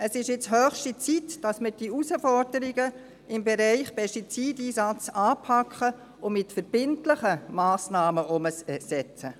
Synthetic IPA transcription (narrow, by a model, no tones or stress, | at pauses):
əsɪʃjɪt͡shœːχʃtit͡sitd̥ɑsməɾd̥iusəfɔɾdəɾɪɡə | ɪmbɛɾæɪχpʰɛstit͡siːdiːsɑt͡sɑːpʰɑkχə | ʊmɪtfəɾb̥ɪntlɪχəmaːsnɑːməʔʊməssɛt͡sə